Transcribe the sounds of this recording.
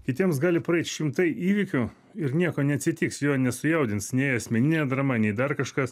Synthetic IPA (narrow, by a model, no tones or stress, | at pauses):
kʲɪt̪ʲiɛmsɡɑːlʲɪpɾɐɛɪt̪ʃʲɪmt̪ɐɪʔiːʋʲɪkʲʊ | ɪɾnʲiɛkoːnʲɛɐt̪ʲsʲɪt̪ʲiːksjoːnʲɛsʊjɛʊd̪ʲɪnsnʲɛɪɐsʲmʲɛnʲɪnʲɛːd̪ɾɐmɐnʲɛɪd̪ɐɾkɐʃkɐs